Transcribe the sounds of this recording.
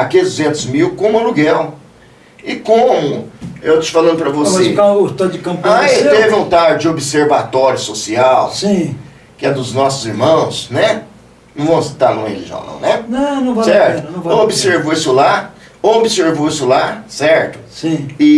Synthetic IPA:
akezd̪uzẽnt̪ʊzmiwkõmɐluɡɛw | ɪkõmʊewt̪ot͡ʃfalɐ̃nd̪ʊpɾɐvosseɐ̃t̪od̪d͡ʒɪkɐ̃pkat̪evɪũt̪aɾd͡ʒɪobɪseɾvat̪ɔɾjʊsosiawsĩ | kɪɛd̪ʊznɔsʊziɾmɐ̃w̃snɛ | nɐ̃w̃vɐ̃w̃si̥t̪aɾnũḛlḭʒɐ̰̃nɐ̰̃w̃nɛnɐ̃nɐ̃w̃vasɛɾt̪ʊɐ̃vaobiseɾvoisʊla | obɪseɾvoisʊlasɛɾt̪ʊ̥sĩɪ

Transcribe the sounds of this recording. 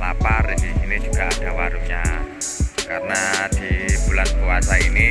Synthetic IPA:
lapariini̥d͡ʒuɡ̥aad̥a̤waɾuɲa | karənad̪̥ib̥ulankuwasaini

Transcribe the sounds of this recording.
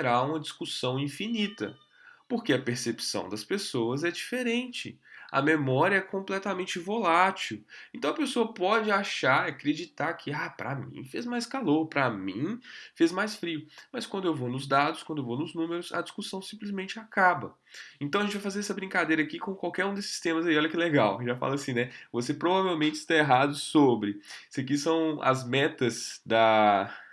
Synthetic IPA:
ɾaũmɐd͡ʒiskusɐ̃w̃ĩfinit̪ɐ | poɾkeɐpeɾsepi̥sɐ̰̃w̃d̪ɐspesowɐzɛd͡ʒifeɾẽnt͡ʃɪ̰ɐ̰memɔɾiɐɛkõmplɛt̪amẽnt͡ʃɪvolat͡ʃiwẽt̪ɐ̃w̃ɐpesoɐpɔd͡ʒɪaʃaɾakɾed͡ʒit̪aɾkʰɪapɾɐ̰mḭ̃fezmajskaloɾpɾɐmḭ̃fezmajsfɾiʊmɐskwɐ̃nʊewvonʊzd̪ad̪ʊskwɐ̃nd̪ʊewvonʊznũmeɾʊsɐ̰d͡ʒiskusɐ̃w̃sĩmplizmẽnt͡ʃɪakabɐ | ẽnt̪ɐ̃w̃ɐʒẽt͡ʃɪvajfazeɾɛsɐbɾĩŋkad̪ejɾɐaːkikõkwawkɛɾũd̪esɪ̥st̪ẽmɐzaiɔʎɐkɪleɡawkɪʒafa̰lasĩnɛvosepɾovavewmẽnt͡ʃɪ̥st̪aeɦad̪ʊsobɾɪsɪɐkisɐ̃w̃ɐ̰zmɛt̪ɐzd̪ɐ

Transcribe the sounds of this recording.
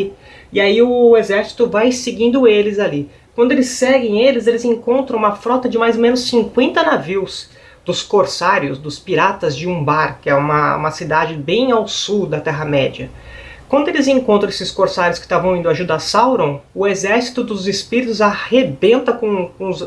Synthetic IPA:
ɪaiʊezɛɾsi̥t̪ʊvajsɪɡĩnd̪ʊelɪzali | kwɐ̃nd̪ʊelɪsɛɡẽj̃elɪzelɪzẽŋkõnt̪ɾɐ̃w̃ũmɐfɾɔt̪ɐd͡ʒɪmajzmẽnʊssĩŋkwẽnt̪ɐnaviws | d̪̥ʊskoɾsaɾjʊsd̪ʊspiɾat̪ɐzd͡ʒɪũbaɾkɪɛũmɐ̰ṵ̃mɐsid̪ad͡ʒɪbẽj̃awsud̪ɐt̪ɛɦɐmɛd͡ʒɐ | kwɐ̃nd̪ʊelɪzẽŋkõnt̪ɾɐ̃esɪskoɾsaɾjʊskɪ̥t̪avɐ̃w̃ĩnd̪ʊaʒud̪asawɾõʊezɛɾsi̥t̪ʊd̪ʊzɪspiɾit̪ʊzahebẽnt̪ɐkõkõz

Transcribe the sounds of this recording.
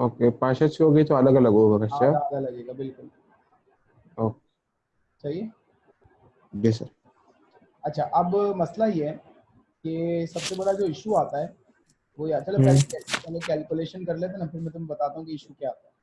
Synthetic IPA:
oːkepãːt͡ʃəʃʰiɦoːɡɐit̪oɐləɡɐlɐɡoːɡaɡɐt͡ʃʰaɐlalɐɡeːɡabɪlkʊl | oːke | t͡ʃaɦie | ɖisəɾ | ɐtːʃʰaʔɐbmɐslajeɦɛː | kesɐbsebɐɽad͡ʒoːɪʃuaːt̪aɦɛː | ʋojaːt͡ʃɐlepɛɦlekɛlpɛːlekɛːlkuʊleːʃənkɐɾlet̪̬enafʰɪɾmɛ̃t̪ʊmbɐt̪aːt̪aːɦũkiɪʃukjaaːt̪aɦɛ

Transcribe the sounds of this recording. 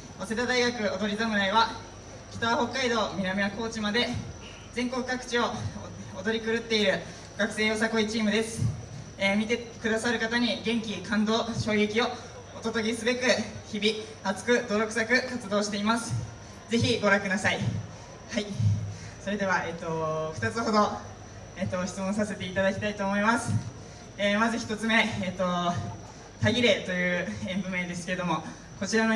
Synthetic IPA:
ose̞t̪ad̪aiɡakɯ̟od̪o̞ɾʲizamɯ̟ɾaiβa | kʲi̥t̪aβho̞kːaid̪o̞ːmʲiɾamʲiako̞ːt͡ɕimad̪e̞ | d͡zẽ̞ŋko̞kɯ̟kakɯ̟̥t͡ɕio̞ | od̪o̞ɾʲikɯ̟ɾɯ̟t̪ːe̞iɾɯ̟ | ɡ̥akɯ̟̥se̞ːjo̞sako̞it͡ɕiːmɯ̟d̪e̞sɨ̥ | emʲit̪ekɯ̟d̪asaɾɯ̟kat̪aɲ̟iɡẽ̞ŋkʲikãnd̪o̞ːɕo̞ːekʲio̞ | ot̪o̞t̪o̞ɡʲisɨbe̞kɯ̟çibʲi | at͡sɨ̥kɯ̟d̪o̞ɾo̞kɯ̟̥sakɯ̟kat͡sɨd̪o̞ːɕi̥t̪e̞imasɨ̥ | d͡ze̞çiɡo̞ɾãŋkɯ̟nasai | hai | so̞ɾe̞d̪e̞βae̞t̪ːo̞ɸɯ̟̥t̪at͡sɨho̞d̪o̞ | eːt̪ːoçi̥t͡sɨmõ̞sase̞t̪e̞it̪ad̪akʲi̥t̪ait̪o̞ːmo̞imasɨ̥ | eːmazɨçi̥t̪o̞t͡sɨme̞ːt̪ːo̞ | t̪aɡʲiɾe̞t̪o̞jɯ̟ːẽ̞mbɯ̟me̞d̪e̞sɨ̥ke̞ɾe̞d̪o̞mo̞ | ko̞t͡ɕiɾano

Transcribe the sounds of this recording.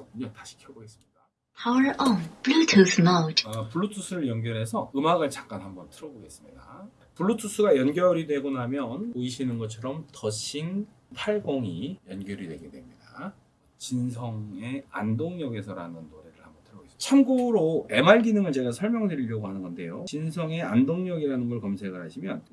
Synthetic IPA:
kuɲʌŋtaɕʰi̥kʰjʌɡoes͈ɯmɲida | pʰaɾʌpɭutʰusɯmʌʌpuɭːutʰus͈ʰuɾɯɭjʌnɡjʌɾɦe̞sʰʌɯmaɡɯɭt͡ɕak͈̚anɦambʌntʰɯɾʌboɡe̞s͈ɯmɲida | puɭːutʰus͈uɡajʌnɡjʌɾidwe̞ɡonamjʌnoiɕʰinɯnɡʌt͡ɕʰʌɾʌmtʌɕʰin | pʰaɭɡoŋijʌnɡjʌɾidwe̞ɡe̞dwe̞mɲida | t͡ɕinsʰʌŋe̞andoŋɲʌɡe̞sʰʌɾa̰nɯnːoɾe̞ɾɯɭhambʌntʰɯɾʌboest͡ɕʰamɡuɾoe̞maɭɡinɯŋɯɭt͡ɕe̞ɡasʰʌɭmjʌŋdweɾiʎːʌɡoɦanɯnɡʌnde̞jot͡ɕinsʰʌŋe̞a̰ndoŋɲʌɡiɾanɯnɡʌɭkʌmsʰe̞ɡɯɭɦaɕʰimjʌn

